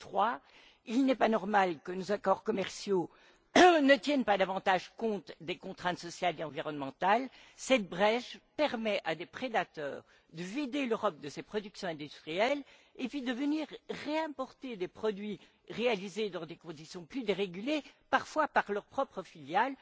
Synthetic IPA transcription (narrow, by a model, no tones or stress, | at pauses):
t̪χwa | ilnɛpanɔʁmalkənozakɔʁkɔmɛʁsjo | nət̪jɛnpad̪avɑ̃t̪aʒkɔ̃t̪d̪ekɔ̃t̪χɛ̃t̪sɔsjaleɑ̃viʁɔnmɑ̃t̪alsɛt̪̚bʁɛʃpɛʁmɛʔad̪epχed̪at̪œ̰ːʁ | d̪əvid̪eløʁɔp̚d̪əsepχɔd̪yksjɔ̃ɛ̃d̪yst̪χijɛlepɥid̪əvəniʁːeɛ̃pɔʁt̪ed̪epχɔd̪ɥi | ʁealized̪ɑ̃d̪ekɔ̃d̪isjɔ̃plyd̪eʁeɡylepaʁfwapaʁlœʁpχɔpχəfiljal